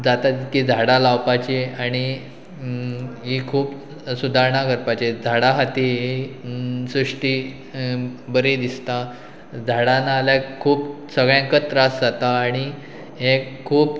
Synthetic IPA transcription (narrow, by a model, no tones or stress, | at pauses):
d͡zat̪at̪kid͡zʱaɽalawpat͡ɕeaɽ̃i | ɦikʰuːp | sud̪ʱaɾɳakəɾpat͡ɕed͡zʱaɽaɦat̪iɦi | sɾuʂʈiː | bəɾed̪ist̪a | d͡zʱaɽanaːljakʰuːp | səɡɭjãŋkət̪ɾasd͡zat̪aːɽ̃i | ɦẽkʰuːp